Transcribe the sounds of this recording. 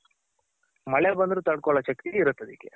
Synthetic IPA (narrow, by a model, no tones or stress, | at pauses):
mɐɭebɐnd̪ɾuːt̪ɐɽkɔɭɐt͡ʃɐkt̪iɡiɾut̪ːɐd̪ikːḛ